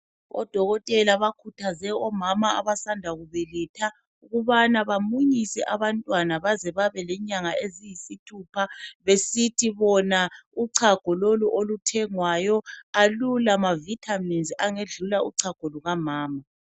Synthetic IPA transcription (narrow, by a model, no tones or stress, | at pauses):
ɔ̰d̥ʱɔɣɔtʼɛlaβakʰutʰazɛɔmamaa̰βasandʱaɣuβɛlɛtʰa | uɣuβanaβamuɲisɛʔaβantʼwanaβazɛβaβɛlɛɲaŋaezijisitʰuːpʰaβesitʰiβɔnauǀʰaɡ̥ʱɔloluʔolutʰɛŋwajɔalulamavitʰaminzaŋeɮulauǀʰaɡ̥ʱɔluɣamaːma